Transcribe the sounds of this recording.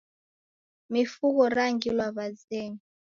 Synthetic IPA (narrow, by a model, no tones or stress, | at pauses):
mifuɣɔɾaŋɡilwaβazɛŋi